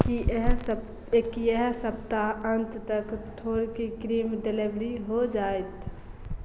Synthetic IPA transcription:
kiɦs | kiɛɦsəpt̪aə̃nt̪t̪əkʈ̪ʰoːɾkikɾiːmɖelebɾiɦod͡ʒaːet̪

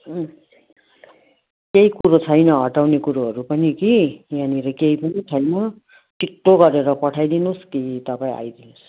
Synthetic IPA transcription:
keikuɾot͡sʰʌjnʌɦʌʈawnekuɾoɦʌɾupʌnikijaniɾʌkeipʌnit͡sʰʌjnʌ | ʈiʈːoɡʌɾeɾʌpʌʈʰajd̪inuskit̪ʌpãĩa̰jd̪inus

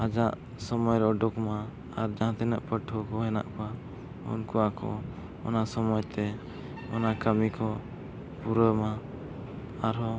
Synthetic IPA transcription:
ad͡ʒaʔ | sɔmɔjɾɔʔɔɖɔkma | aɾd͡ʒaɦãt̪ɛnəʔpəʈʰɔkɔɦɛna̰ʔkwa | ṵnkuakɔ̰ | ɔ̰nasɔmɔjt̪ɛ | ɔnakəmikɔ | puɾəma | aɾɔ

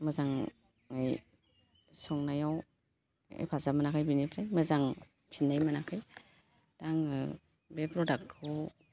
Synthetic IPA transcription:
mɯzaŋ | aj | sɔŋnajaw | ḛpʰazamanakʰajbinipʰɾajmazaŋ | pʰinːajmanakʰaj | taŋɯ | bepɾɔdak̚tʰɔw

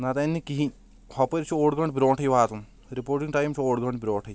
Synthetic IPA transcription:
nɐt̪ɐnːikiɦi | hɐpɐɾt͡ʃʰuoːɖɡɐɳɖbɾoːʈʰɐjʋaːt̪um | ɾipoːɾʈiŋɡʈajmt͡ʃʰuoːɖɡɐɳɖbɾoːʈʰɐj

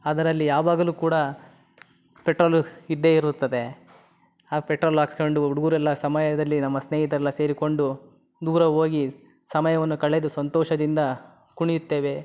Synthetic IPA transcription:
ɐd̪ɐɾɐlːijaːʋaːɡɐluːkuːɽɐ | peʈɾoːlid̪ːeːiɾut̪ːɐd̪e̞ | apeʈɾoːlaːksko̞ɳɖuuɽuɡuːɾuɛlːɐsɐmɐjɐd̪ɐlːinɐmːɐsneːɦit̪ɐɾɛlːɐse̞ːɾiko̞ɳɖu | d̪uːɾɐɦoːɡi | sɐmɐjɐʋɐnːukɐɭːed̪usʋɐnt̪ɔːʂɐd̪ind̪ɐ | kuɳijut̪ːe̞ːʋe̞

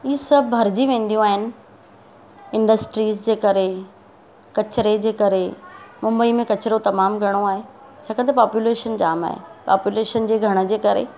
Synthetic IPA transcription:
iːesɐbʱɦɐɾd͡ʑiʋẽːn̆d̪ijũaːɦɪnɪ̆ | ɪ̃ɳɖəsʈɾiːzd͡ʑeːkɐɾe | kɐt͡ɕɾed͡ʑeːkɐɾemʊ̃mbəimẽkɐt͡ɕɾot̪ɐmaːmɡʱɐɽ̃oaːɦe | t͡ɕʰaːkɐ̃nt̪ɐpaːpjuleːʃənd͡ʑa̰ːma̰ːɦḛpa̰ːpjuleːʃənd͡ʑeːɡʱɐɽ̃ə̆d͡ʑeːkɐɾḛ

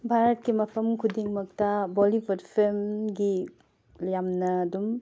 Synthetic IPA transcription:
bʱaɾɐt̚kimɐpʰɐmkʰudiŋmɐk̚tɐbolibʰʱɐdpʰelmɡi | jamnɐːdum

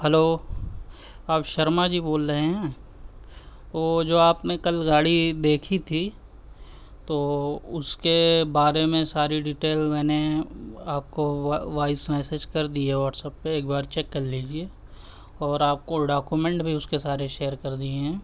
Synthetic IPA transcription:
hɛloː | aːpʃɐɾmad͡ʒiboːlɾɐɦeɦɛ̃ː | oːd͡ʒoːaːpnekɐlɡaːɽid̪eːkʰit̪ʰi | t̪oːʊskebaːɾemẽsaːɾiɖiʈeːlmɛ̃ːneaːp̚koʋaːɪsmɛːsed͡ʒkɐɾd̪iaɦɛʋɔːʈsəpːeeːk̚baːɾt͡ʃɛkːɐɾliːd͡ʒieː | ɔːɾaːp̚koɖaːkjumẽɳʈbʱiʊskesaːɾeʃeːəɾkɐɾd̪ieɦɛ̃ː

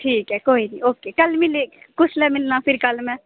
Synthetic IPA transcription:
ʈʰiːkɦɛkoːinĩoːkeːkɐlmɪle | kʊslemɪlnapʰɪɾkəlmɛ̃

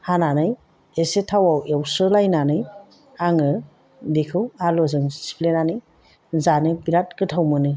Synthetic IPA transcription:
hananɯj | esetʰawawewsɯlajnanɯj | aŋɯ | dekʰɯwalɔzɯŋsi̥plenanɯj | zanɯjpiɾat̚kɯtʰawmɯnɯj

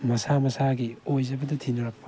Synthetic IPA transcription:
mɐsamɐsaɡiojzɐbɐdɐtʰinɐɾɐk̚pʰːɐ̥

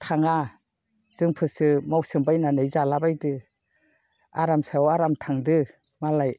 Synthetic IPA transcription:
tʰaŋa | z̥ɯŋpʰɯsɯmawsɯmbajnanɯjzalabajdɯ | aɾamsawaɾamtʰaŋdɯ | malaj

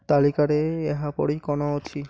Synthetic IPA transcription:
t̪alikaɾeɛɦapɔ̰ɽikɔnoot̪ʰi

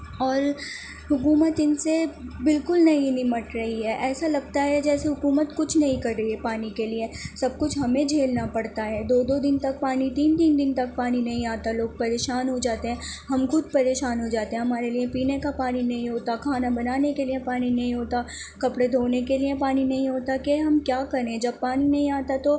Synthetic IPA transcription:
ɔːɾ | ɦʊkuːmət̪ɪnsebɪlkʊlnɐɦĩnɪmɐʈɾɐɦiɦɛːʔɛːsalɐɡt̪aɦɛd͡ʒɛːseɦʊkuːmət̪kʊt͡ʃʰnɐɦĩkɐɾːɐɦiɦɛpaːnikeliesɐb̚kʊt͡ʃʰɦɐmẽd͡ʒʱeːlnapɐɽt̪aɦɛːd̪oːd̪od̪ɪnt̪ɐk̚paːnit̪iːnt̪iːnd̪ɪnt̪ɐk̚paːninɐɦĩaːt̪aloːɡ̚pɐɾeːʃaːnɦod͡ʒaːt̪eɦɛ̃ɦɐmkʊd̪̚pɐɾeːʃaːnɦod͡ʒaːt̪eɦɛ̃ɦɐmaːɾeliẽpiːnekapaːninɐɦĩɦoːt̪akʰaːnabɐnaːnekeliẽpaːninɐɦĩɦoːt̪a | kɐpɽed̪ʱoːnekeliẽpaːninɐɦĩɦoːt̪akeɦɐmkjaːkɐɾẽd͡ʒɐb̚paːninɐɦĩaːt̪at̪o

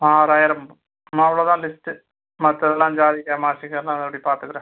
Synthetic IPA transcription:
aːɾaːjɐɾɐm | maɐʋiɭoðaːnlistɨ | mɐt̪ːjɐðɛlːaːmd͡ʑaːd̪ikʲːãːmaːɕɐkːɐlaːɐðɽipaːɾt̪ɨɡɾɐ

